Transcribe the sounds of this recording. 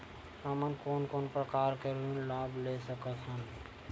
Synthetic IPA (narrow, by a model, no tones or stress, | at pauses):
səmənkoːnkoːnpɾəkaːɾkeɾunlaːblesəkəsʰən